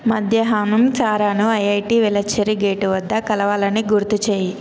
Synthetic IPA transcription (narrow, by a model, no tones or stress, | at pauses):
mɐd̪ʱjɐɦaːnumt͡ʃaːɾaːnuɐjɐjʈiːʋilɐt͡ʃʰːɐɾiɡeːʈuʋɐd̪ːɐkɐlɐʋaːlɐniɡuɾt̪ut͡ʃeːji